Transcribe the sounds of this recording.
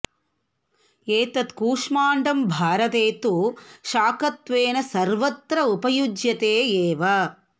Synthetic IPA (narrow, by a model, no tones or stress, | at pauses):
eːt̪ɐt̪kuːʂmaːɳɖɐmbʱaːɾɐt̪eːt̪uʃaːkɐt̪ʋeːnɐsɐɾʋɐt̪ɾɐupɐjud͡ʒjɐt̪eːeːʋɐ